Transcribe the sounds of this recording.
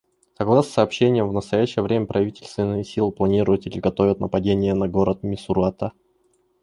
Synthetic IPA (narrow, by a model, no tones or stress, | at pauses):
sɐɡlˠasʲsɐːpɕːenʲɪjəmvnəst̪ɐjæɕːɪjəvɾʲemʲəpɾʔɐvʲitʲɪlʲst̪vʲɪnːɨjəsʲilˠɨplˠɐnʲiɾʊjət̪ɪlʲɪɡɐt̪o̞vʲɪt̪nəpɐdʲenʲɪjənɐɡoɾət̪̚mʲɪsʊɾʊat̪ə